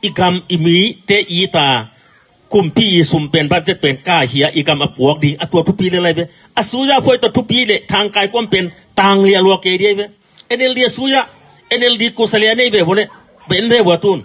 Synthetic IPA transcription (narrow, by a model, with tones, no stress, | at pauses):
ʔi˧ɡa˧mi˨mi˨˦t̪ɛː˦ʔiː˨˦t̪aː˨˩ | ku˧˩mpʰiː˧˨ʔiː˧su˨mpɛ˨nba˧t̚zɛ˦˥˩k̚pɛ˨nkaː˧˩hi˧˨a˧˨ʔi˧˨ɡa˧mʔa˧˨pu˨˦k̚di˧˨ʔa˧t̪tʰu˦piː˧˦lɛ˧˨la˧˨jbɛ˧˦ | ʔa˧˨suː˧˦ja˧˨pʰu˧˨jt̪ɔ˧˨t̪ʰu˦piː˦lɛ˧˨t̪ʰa˧ŋkaː˧jku˥˨mpɛ˨n | t̪aː˧ŋli˧˨˧lɔ˧a˧ke˧˨di˧˨a˧˨jbɛ˧ | ʔɛ˧˨nɛ˧ldi˧a˧suː˦ja˧˨ | ɛ˧nɛ˧ldi˧ku˧˨sa˧lɛ˧a˧ne˥˨jbɛː˧˩bɔ˧˦nɛ˧˨ | be˧˨˦nbɛ˧˨bɔ˧˨˧t̪u˧˩˨n